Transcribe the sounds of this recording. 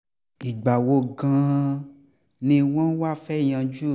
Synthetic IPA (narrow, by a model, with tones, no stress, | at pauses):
i˨ɡ͡ba˨wo˧˦ɡã˦ | nĩ˧w̃ɔ̃˦wa˦˨fɛ˦˨j̃ã˧d͡ʒu˦˨